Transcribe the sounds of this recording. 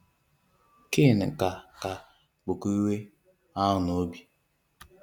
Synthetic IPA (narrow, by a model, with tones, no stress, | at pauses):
ke˦˨n˨ka˨ka˨ | k͡pʊ˨ku˦we˦ | a˦ʊ˨no˨˦bi˨